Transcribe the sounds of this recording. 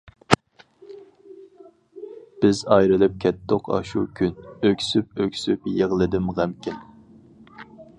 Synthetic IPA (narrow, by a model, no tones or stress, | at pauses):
b̥ɪzɑjɾɨlˠɪp̚kʲʰɛt̪ʰːoqʰɑ̰ʃukʲʰynøkʲsyp̚økʲsypjeʁlˠɨd̪ɪmʁæmkʲɪn